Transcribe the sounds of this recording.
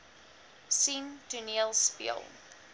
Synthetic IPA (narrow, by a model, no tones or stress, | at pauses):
sĩntʰunilˠspḭə̰lˠ